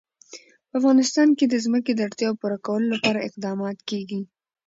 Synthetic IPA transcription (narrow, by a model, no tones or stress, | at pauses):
pəafɣɑnɪst̪ɑnked̪əzməked̪əaɽt̪jɑwpuɾakawəlolapɑɾaɪqd̪ɑmɑt̪keɡi